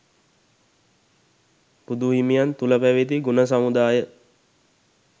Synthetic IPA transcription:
pud̪uɦimijant̪uləpæʋet̪̬iɡunəs̬amud̪aːjə

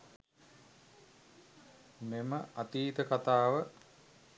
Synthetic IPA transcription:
meməat̪iːt̪əkat̪aːʋə

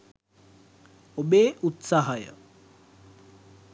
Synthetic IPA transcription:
obeːʔut̪saɦɐjə̰

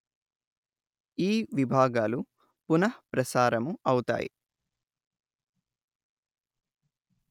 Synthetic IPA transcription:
iːʋibʱaːɡaːlu | punɐhpɾɐsaːɾɐmuɐwt̪a̰ːjḭ

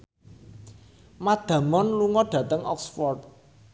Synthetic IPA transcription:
mad̪̥ä̤mɔnluŋɔɖ̥ä̤t̪əŋʔɔ̰ksfɔrt̪̚

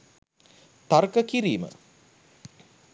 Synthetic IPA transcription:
t̪arkəkiɾiːmə̰

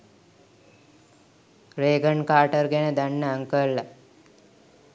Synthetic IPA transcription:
ɾeːɡəɳkaːʈəɾɡenəd̪aɳːəaŋkəɭːa

